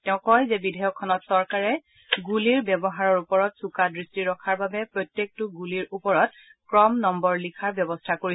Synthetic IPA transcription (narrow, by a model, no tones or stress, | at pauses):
tɛʊ̃kɔjzɛbidʱɛjɔkʰːɔnɔtsɔɹkaɹɛ | ɡuliɹbɛbɔɦaɹɔɹupɔɹɔtsukadɹistiɹɔkʰaɹbabɛpɹotjek̚tʊɡuliɹupɔɹɔt̚ | kɹɔmnɔmbɔɹlikʰaɹbjɛbɔstʰakoɹi